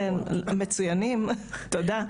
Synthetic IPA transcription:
met͡sujanimt̪od̪a

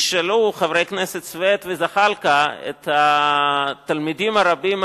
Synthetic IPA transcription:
ʃeluχavɾejkneset̪t͡svet̪vezaχalkaḛt̪ha | t̪almid̪imaɾabim

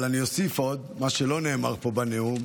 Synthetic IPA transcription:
lanio̞sifo̞d̪maʃelo̞ne̞ːma̰ʁpo̞baneu

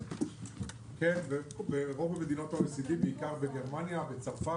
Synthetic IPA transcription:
kenbebeʁobemed̪inot̪aʁesid̪ibeikaʁbeɡeʁmanjabet͡safa

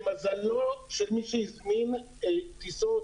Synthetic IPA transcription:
mazalːoʃelmiʃeizmin | et̪iso

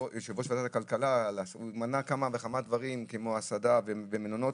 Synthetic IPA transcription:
ʃavoʃfad̪at̪akalkalalsumanakamaveχamad̪vaʁimkemo̞asad̪avevemenono̞

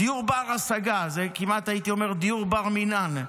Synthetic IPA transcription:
d̥ijuʁbaʁasaɡazekimat̪ajit̪iomeʁd̪ijuʁbaʁminan

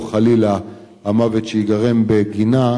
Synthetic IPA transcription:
χalila | hamavet̪ʃeiɡaʁe̞mbeɡina

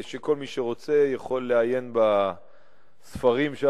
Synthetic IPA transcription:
ʃeko̞lmiʃeʁo̞t͡se̞jaχo̞lːeaje̞nba | sfaʁimʃ

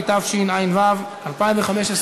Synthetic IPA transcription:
t̪avʃinajnvav | alpaĩɱveχameʃes

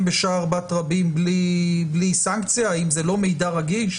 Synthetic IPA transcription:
mbeʃaːʁbat̪ʁabimbliblisaŋkt͡sjaimzelo̞me̞jdaʁaɡilʃ

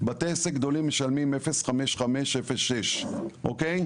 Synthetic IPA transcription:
bat̪esekɡd̪o̞limːeʃalmimefesχameʃχame̞ʃefesːeʃʔokej

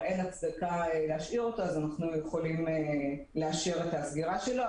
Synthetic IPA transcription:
enat͡sdakaeleaʃʔiʁo̞to̞azanaχnujeχo̞lime | leaʃiʁetasɡiʁaʃe̞lo

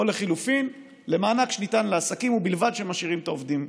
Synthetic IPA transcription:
ole̞χilufin | le̞maːnakʃenitanleasakimubilvad̪ʃemaʃiʁimt̪aovd̪im

